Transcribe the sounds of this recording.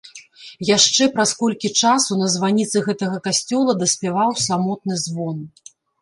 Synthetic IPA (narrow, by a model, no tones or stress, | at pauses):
jaʂt͡ʂɛpɾɐskɔlʲkʲit͡ʂasunɐzvanʲit̪sɨɣɛt̪ɐɣɐkasʲt͡sʲɔlˠɐd̪ɐsʲpʲɛvawsamɔt̪̚nɨzvɔn